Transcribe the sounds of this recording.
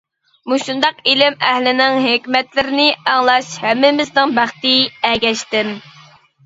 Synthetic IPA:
muʃund̪ɑqilɪmɛhlɪnɪŋɦekʲmɛt̪lɪɾɪnɪæŋlˠɑʃhɛmːɪmɪznɪŋbæχt̪ɪɛɡʲɛʃt̪ɪm

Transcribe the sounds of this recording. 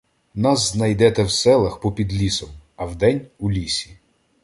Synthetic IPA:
nɑsznɐjd̪ɛt̪ɛwsɛlˠɐxpɔpʲid̪lʲisɔmɐwd̪ɛnʲulʲisʲi̥

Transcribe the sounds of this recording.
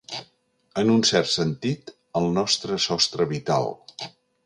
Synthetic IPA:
ənunsɛrt̪sənt̪it̪ | əlˠnɔst̪ɾəsɔst̪ɾəβit̪a̰lˠ

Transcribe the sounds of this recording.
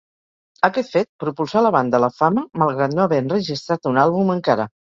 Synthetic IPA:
əkɛt̪fet̪̚pɾupulˠsaləβand̪ələfaməməlˠɣɾat̪noəβɛənrəʒist̪ɾat̪unalˠβuməŋkaɾə

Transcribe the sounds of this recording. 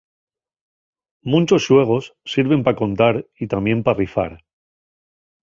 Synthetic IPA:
mũnt͡ʃo̞sʃwe̞ɣ̞o̞sːiɾβe̞mpako̞nt̪aɾit̪amje̞mparifa̰ɾ

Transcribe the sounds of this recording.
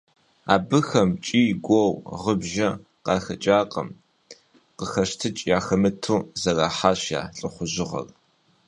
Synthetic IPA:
a̰ːbɨxɐmt͡ʃʼiːɡʷɔwʁəbʒɐ | qɑːxɐt͡ʃʼaːqʼɐ̰m | qəxɐʃtʰɨt͡ʃʼjaːxɐmɨtʰuːzɐraːħaːɕja̰ːɬʼɨχʷʊʑɪʁɐ̰r

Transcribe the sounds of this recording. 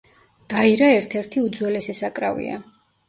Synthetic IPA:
d̪̥aiɾaɛɾt̪ʰɛɾt̪ʰiud̪zwɛlɛsɛsakʼɾa̰vḭa̰

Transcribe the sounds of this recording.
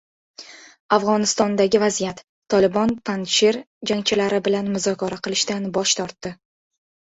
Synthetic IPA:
afʁɒnɪst̪ɒnd̪aɡʲɪvazijat̪ʰːɒlɪbɒnpʰanʃeɾ | d͡ʒaŋt͡ʃʰɪlaɾɪbɪlanmʊzɒkʰʲɒɾaqɨlɪʃt̪anbɒʃt̪ʰɒɾt̪ːɪ

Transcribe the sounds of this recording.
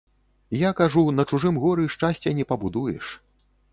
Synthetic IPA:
jakaʐunɐt͡ʂuʐɨmɣɔɾɨʂt͡ʂasʲt͡sʲɛnʲɛpɐbud̪ujɛ̰ʂ

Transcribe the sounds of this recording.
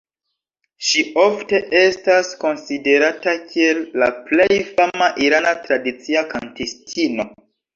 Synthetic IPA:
ʃio̞fte̞ʔe̞stasko̞nside̞ɾatakʰie̞lːa̰ple̞jfamaʔiɾanatɾadit͡siakantistʰino̞

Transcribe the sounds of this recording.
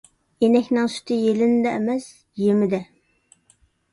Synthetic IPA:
enɛkʲnɪŋsy̥t̪ʰɪjelɪnɪd̪ɛːmɛs | jemɪd̪ɛ

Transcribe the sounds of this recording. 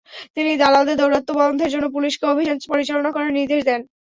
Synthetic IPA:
t̪inid̪alad̪ed̪owɾot̪ːobɔond̪ʱeɾd͡ʑonːop̬uliʃkeobʱid͡ʑanpoɾit͡ɕalonakoɾeɾnid̪eʃd̪ɛn

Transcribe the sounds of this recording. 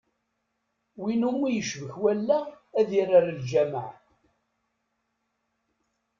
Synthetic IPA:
winumːijəʃvəçwælːæːðiraɾld͡ʒæma̰ʕ

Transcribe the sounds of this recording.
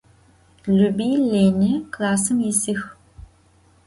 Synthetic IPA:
lubiːleːnɐklaːsɨmisɨx

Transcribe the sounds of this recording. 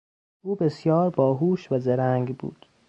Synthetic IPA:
ʔuːbesjɒːɾbɒːɦuːʃvæzeɾæŋɡbṵːd̪̥

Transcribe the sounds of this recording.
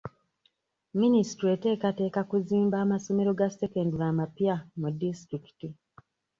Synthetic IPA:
minisi̥tɾete̞ːkate̞ːkakuziːmbaːmaso̞me̞ɾo̞ɡasekenduɾamapijamudːistɾiki̥ti

